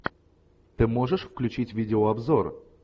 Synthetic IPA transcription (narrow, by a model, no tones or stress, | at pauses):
t̪ɨmo̞ʐɨʂfklʲʉt͡ɕitʲvʲidʲɪoɐbzor